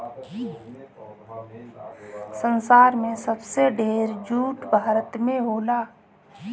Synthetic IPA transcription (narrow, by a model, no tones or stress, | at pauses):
sənsaːɾmẽsəbseɖeːɾd͡ʒuːʈbʱaːɾət̪mẽɦoːlaː